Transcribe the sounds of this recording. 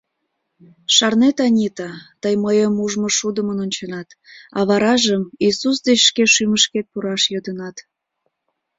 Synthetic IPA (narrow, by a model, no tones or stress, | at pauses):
ʃɑrnet̪ɑnʲit̪ɑt̪əjməjəmuʒmoʃud̪əmənonʲt͡ɕənɑt̪ | ɑβɑɾɑʒəmisus̬d̪et͡ɕʃkeʃyməʃket̪̚puɾɑʃjod̪ənɑt̪